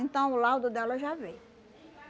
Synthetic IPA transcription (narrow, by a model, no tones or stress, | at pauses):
ẽnt̪ɐ̃w̃ʊlawd̪ʊd̪ɛlɐʒavej